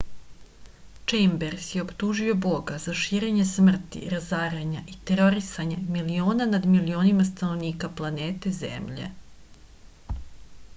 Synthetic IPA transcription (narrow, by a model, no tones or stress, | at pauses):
t͡ʃejmbeɾsjeo̞pt̪uʒio̞bo̞ɡazaʃiːɾe̞ɲe̞smr̩t̪ḭɾazaːɾeɲaʔit̪e̞ɾoɾisaɲamilio̞ːnanad̪milio̞ːnimast̪ano̞ʋniːkaplˠaneːt̪e̞zḛmʎe̞̰